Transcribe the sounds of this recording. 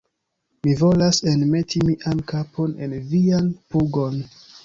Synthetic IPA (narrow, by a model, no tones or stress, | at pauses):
mivo̞lasenme̞tʰimiʔankapʰo̞ne̞nvianpuɡo̞n